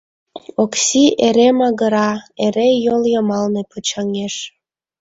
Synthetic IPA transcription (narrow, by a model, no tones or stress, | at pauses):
oksieɾemɑɣəɾɑeɾejoljəmɑlnepɤt͡ɕɑŋeʃ